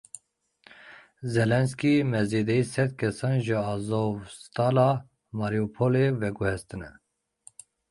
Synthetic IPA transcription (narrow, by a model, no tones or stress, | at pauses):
zɛlɛnskimɛzed̪ɛiːsɛd̪̚kʰɛsɑːnʒɨɑːzovst̪ɑːlɑː | mɑɾiupʰolevɛɡuhɛst̪ɨnɛ̰